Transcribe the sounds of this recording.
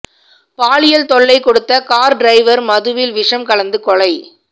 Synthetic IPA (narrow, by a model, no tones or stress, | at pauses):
paːɭɪjɐlt̪ɔɭːɐɪkɔɽɯt̪ːɐkaːɾɖɾɐɪʋɐɾmɐðɯʋɪlʋɪʂɐmkɐɭɐnd̪ɯkɔɭɐɪ